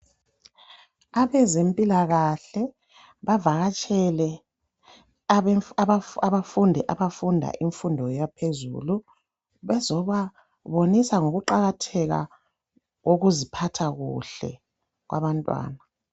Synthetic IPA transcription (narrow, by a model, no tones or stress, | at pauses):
aβɛzempʼilaɣaɬɛ | βavaɣat͡ʃʼɛlɛ | aβafundʱɛʔaβafundʱa̰ʔiɱfundʱɔjapʰezṵlu | βɛzɔβa | βonisaŋoɣuǃaɣatʰɛɣa̰ | ɣoɣuzipʰatʰaɣṵɬɛ̰ | ɣwa̰βantʼwa̰ːna